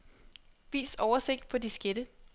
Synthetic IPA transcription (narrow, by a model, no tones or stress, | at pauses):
ʋḭːsɒʊɐse̝ɡ̥̚d̥̚pʰɒ̽d̥isɡ̥eɾ̥ə